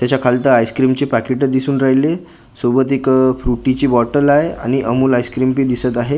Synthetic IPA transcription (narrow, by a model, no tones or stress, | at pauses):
t̪jat͡ɕakʰalt̪əajskɾimt͡ɕepækeʈəd̪isuːnɾaɦjle | sobət̪ekfɾuʈit͡ɕiːbɔʈəlaɦea̰ɽ̃iʔəmuːlajskɾimpiːd̪isət̪aɦe